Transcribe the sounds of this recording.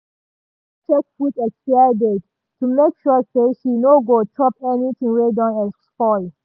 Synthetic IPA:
t͡ʃʰɛk̚futɛksadɛd | tʰumekʃɔseʃinoɡotʰɹɔpɛnit̪ʰĩŋɹedɔ̃nɛzspɔɪ

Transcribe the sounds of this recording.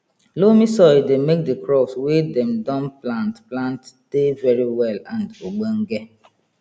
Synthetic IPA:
lomisɔɪdemek̚dekɾɔpswedɛmdɔ̃nplãntplãntd̥evɛɾiwɛlãndoɡ͡boŋ̩ɡe

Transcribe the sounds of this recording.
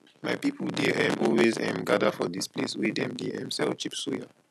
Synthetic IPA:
majpipʰl̩dɛʔɛ̃mʔɔlwezɛ̃mɡadəfɔdispleswidɛ̃mdiɛ̰̃msɛlt͡ʃipsuja

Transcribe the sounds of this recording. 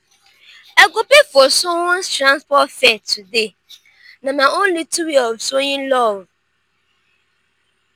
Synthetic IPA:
ɛɡopekɔsʊwɔ̃nstɾãnspɔfɛtʰude | nãnãõn̩lituwiɔbsoɲĩlɔwʊ

